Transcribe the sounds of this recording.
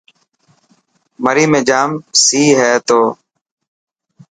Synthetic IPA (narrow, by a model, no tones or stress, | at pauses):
məɾiːmẽːd͡ʒaːmsiːɦɛːt̪oː